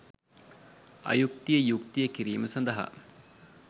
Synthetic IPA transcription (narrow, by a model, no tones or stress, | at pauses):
ɐ̰juk̚t̪ijəjuk̚t̪ijəkiɾiːməsɐnd̪ɐɦa̰